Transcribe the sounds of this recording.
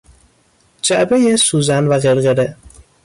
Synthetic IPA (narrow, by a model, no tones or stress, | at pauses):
d͡ʒæʔbejesuːzænvæɣeɾɣeɾe